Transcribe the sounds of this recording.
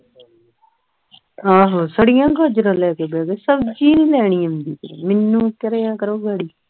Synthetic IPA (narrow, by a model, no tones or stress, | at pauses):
aːɦoːsəɽɪjãːɡəd͡ʒɾãːlɛːkeːbɛːɡeːsəbd͡ʒiːnĩːlɛːɽ̃iːɦə̃nd̪iːkɪɾḛːmɪnːũːkəɾeːaːkəɾoːɡaɽiː